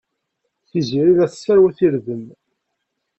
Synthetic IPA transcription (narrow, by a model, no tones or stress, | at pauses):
θiziɾiðæθə̥sːæɾwæθiɾðən